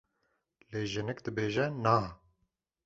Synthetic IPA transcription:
leːʒɪnɨkd̪ɨbeːʒɛnaː

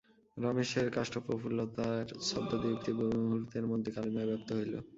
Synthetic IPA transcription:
ɾameʃeɾkaʃʈopɾofulːot̪aɾʃɔbd̪od̪iuk̚t̪ibouɦuɾt̪eɾmod̪ʱːekalimabɛp̚t̪oɦojlo̰

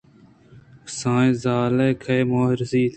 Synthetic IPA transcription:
sãːzaːleːkʰɐjmoːɦɾziːt̪ʰ

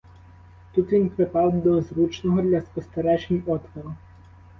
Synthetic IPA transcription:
t̪ut̪ʋʲinpɾɪpɑwd̪ɔzɾut͡ʃnɔɦɔd̪lʲɐspɔst̪ɐɾɛʒenʲɔt̪ʋɔɾʊ

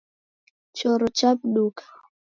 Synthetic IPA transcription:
t͡ʃɔɾɔt͡ʃap̚ɗukḁ

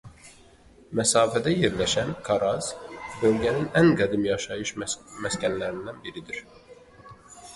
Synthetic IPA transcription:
mæsɑːfæd̪æjeɾlæʃænkʰɑɾɑz̥bø̞lɟæninæŋɡæd̪imjɑʃɑjɯʃmæscænlæɾind̪ænbiɾid̪iɾ̥

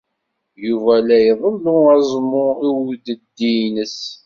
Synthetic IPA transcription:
juvælæjəðˤəlðʊæzˤmːʊiwd̪əd̪ːinəs

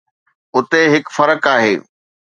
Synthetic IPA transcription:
ʊt̪eɦɪkfɐɾəkaːɦḛː

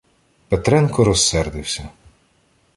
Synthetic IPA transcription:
pet̪ɾɛnkɔɾɔsːɛrd̪ɪwsʲɐ

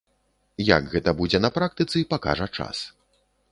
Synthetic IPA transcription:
ja̰ɡɣɛt̪ɐbud͡zʲɛnɐpɾak̚t̪ɨt̪sɨipaka̰ʐɐt͡ʂa̰s

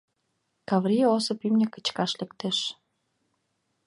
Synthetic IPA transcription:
kɑβɾiosŏpymnʲekə̥̆t͡ɕkɑʃlĕkt̪eʃ

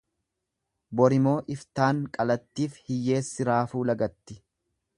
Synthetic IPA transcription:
bɔɾɪmo̞ːʔɪft̪aːŋkʼɐlɐt̪ːiːfhɪjːe̞ːsːɪɾaːfuːlɐɡɐt̪ːɪ

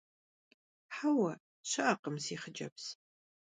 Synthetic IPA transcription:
ħawɐ | ɕɐʔɐqəmziːχəd͡ʒɐps

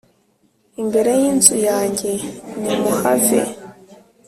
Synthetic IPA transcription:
imbe̞ɾe̞jinzujaːɲɟe̞nimuhavḛ

